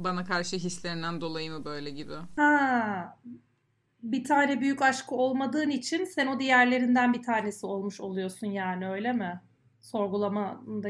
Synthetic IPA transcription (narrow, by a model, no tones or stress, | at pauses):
banakʰaɾʃɯɦislʲeɾind̪ænd̪o̞lˠajɯmɯbø̞jlʲɛɟibɪha | bit̪ʰaːnɛbyjycaʃkʰɯo̞lˠmad̪ɯːnit͡ʃʰinsɛno̞d̪ijæɾlʲe̞ɾind̪ænbit̪ʰaːne̞sio̞lˠmuʃo̞lˠujo̞sunjaːniø̞jlʲemɪ | so̞ɾɡulˠamad̪a